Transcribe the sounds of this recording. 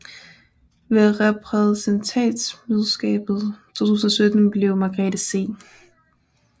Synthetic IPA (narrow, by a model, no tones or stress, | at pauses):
ʋeʁɛpʰʁɛsent͡sʰɛnd̥smyðˠsɡ̥ɛ̰ːb̥ð̩ˠt͡sʰo̝̰ːt͡sʰuːsn̩ɒ̽sød̥n̩b̥le̝ʊmɑ̈ɡ̥ʁɛd̥əse̝̰ː